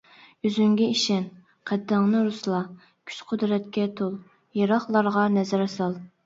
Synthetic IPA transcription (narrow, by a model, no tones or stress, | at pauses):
yzyŋɡʲɛiʃɛn | qʰæd̪ːæŋnɨɾuslˠɑ | kʲʰy̥t͡ʃqʰʊd̪ɾɛt̪kʲɛt̪ʰolˠ | jeɾɑχlˠɑɾʁɑnɛzæɾɑsɑlˠ